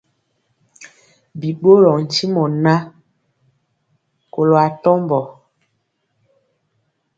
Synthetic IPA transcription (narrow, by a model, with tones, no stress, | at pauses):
bi˨ɓo˦ɾɔ˨n̩˨ti˦mɔ˨na˦ | ko˨lo˨a˨tɔ˦mbɔ˨